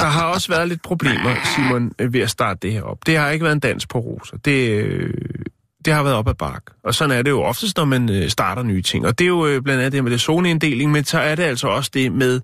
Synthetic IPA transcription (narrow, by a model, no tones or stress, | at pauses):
d̥ɑ̈ɦɑ̈ɒ̽səʋæːɐðˠle̝d̥̚pʰʁo̝b̥le̝̰ːmɐsimɔnʋe̝æsd̥ɑ̈ːd̥əd̥e̝heɐɒ̽b̥d̥e̝hɑ̈e̝ɡ̥əʋæɐðend̥æn̰sɡ̥̚pʰɒ̽ʁo̰ːsɐd̥e̝ | d̥e̝hɑ̈ʋæɐð̞ˠɒb̥æb̥ɑ̈ːɡ̥ɒ̽sɒ̽næɐɾe̝jo̝ʔɒ̽fd̥əsd̥nɒmænsd̥ɑ̈ːɾ̥ɐnyːt͡sʰe̝ŋ̰ɒ̽d̥e̝jo̝b̥lænd̥æn̩ˠd̥eɐmed̥esoːnəe̝nd̥e̝̰ːle̝ŋmensɒ̽æɐɾe̝æl̰sɒ̽ɒ̽səd̥e̝með̞ˠ